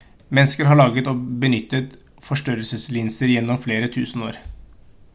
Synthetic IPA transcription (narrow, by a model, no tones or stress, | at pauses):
mɛnskəɾɦɑɭɑːɡət̪ɔbənʏt̪ːət̪ | fɔʂʈøɾəlsəslɪnsəɾjɛnːɔmfleːɾət̪ʰʉ̰ːsn̩o̰ːɾ